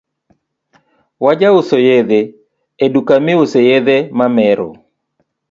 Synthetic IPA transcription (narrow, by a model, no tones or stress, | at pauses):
wad͡ʒaʊsojed̪eː | dukamɪʊsejeðemamɛɾɔ̰